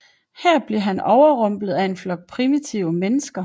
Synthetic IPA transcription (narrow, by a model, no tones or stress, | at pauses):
hæɐ̰b̥le̝ɐɦænɒʊɐʁɔ̽m̰b̥lð̩ˠæe̝nflɒ̽ɡ̥̚pʰʁimit͡sʰiʊ̰menəsɡ̥ɐ